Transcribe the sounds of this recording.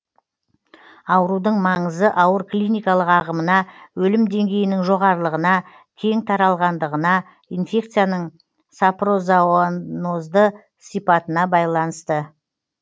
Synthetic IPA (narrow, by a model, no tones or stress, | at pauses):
ɑwəɾud̪əɴmɑɴəzəʔɑwəɾklʲijnijkɑlˠəqɑʁəmənɑwɵlɪmd̪e̞ŋɡʲe̞jɪnɪŋʒo̞ʁɑɾəlˠəʁənɑ | kʲʰe̞ŋt̪ʰɑɾɑlˠʁɑnd̪əʁənɑ | ijnfʲe̞kt̪sɨjanəɴ | sapro̞zawnozd̪ə | sijpɑt̪ənɑbɑjlˠɑnəst̪ə